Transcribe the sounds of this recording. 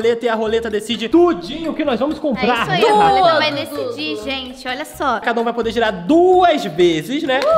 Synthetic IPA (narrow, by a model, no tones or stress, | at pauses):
let̪ɐɪɐɦolet̪ɐd̪esid͡ʒɪt̪ud͡ʒĩɲʊʊkɪnɔjzvɐ̃mʊskõmpɾɾaɾsoavajd̪esid͡ʒiʒẽt͡ʃɪɔʎɐsɔkad̪ɐũvajpod̪eɾʒiɾaɾd̪uɐzvezɪznɛ